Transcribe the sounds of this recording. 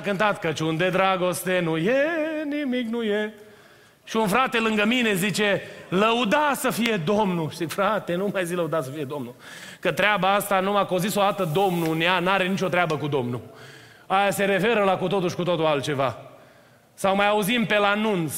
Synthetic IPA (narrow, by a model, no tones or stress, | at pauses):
kɨnt̪at̪kət͡ʃund̪e̞d̪ɾaɡo̞st̪e̞nujenimiknuje | ʃiunfɾat̪e̞lɨŋɡəmine̞zit͡ʃe̞ləud̪asəfije̞d̪o̞mnuʃizikfɾat̪e̞numajziləud̪at̪səfije̞d̪o̞mnu | kət̪ɾeabaast̪anumako̞zisod̪at̪əd̪o̞mnuneanaɾe̞nit͡ʃo̞t̪ɾeabəkud̪o̞mnu | ajase̞ɾe̞fe̞ɾəlakut̪o̞t̪uʃʲkut̪ot̪oalt̪̚t͡ʃe̞va | sawmajauzimpe̞lanunt̪s